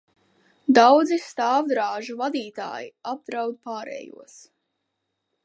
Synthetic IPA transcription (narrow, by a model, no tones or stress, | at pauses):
d̪awd̪zist̪aːvd̪ɾaːʒuvad̪iːt̪a̰ːjiab̚d̪ɾawd̪̚paːɾɛ̰ːjṵɔs